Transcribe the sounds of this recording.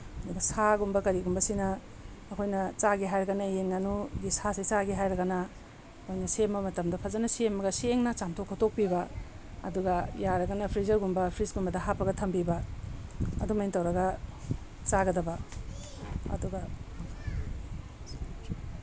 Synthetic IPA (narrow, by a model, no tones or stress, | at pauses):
ɐduɡɐsaɡumbɐkɐɾiɡumbɐsinɐː | kʰojnɐt͡ʃaɡiɦajɾɐɡɐnɐjenɡanuɡisasit͡ʃaɡiɦajɾɐɡɐnɐ | kʰojnɐsembɐmɐtɐmdɐpʰɐzɐnɐsemːɐɡɐseŋnat͡ʃamtʰokʰːotok̚pibɐ | ɐ̰duɡɐjaɾɐɡɐnɐpʰɾizɐɾɡumbɐpʰɾisɡumbɐdɐɦapɐɡɐtʰɐmbibɐ | ɐ̰dumajntɐwɾɐɡɐ | t͡ʃaɡɐdɐbɐ | ɐ̰duɡɐ